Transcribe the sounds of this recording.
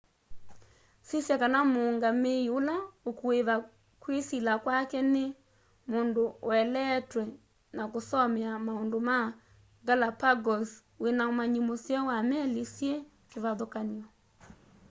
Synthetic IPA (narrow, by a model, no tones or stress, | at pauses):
sisjakanamoːŋɡameiolaokuweβa | kwesilakwakɛne | mondowɛlɛtwɛ | nakosɔmɛamaondoma | ɡalapaɡɔs | wenamaɲimosjawamɛlesjɛ | keβaðokaniɔ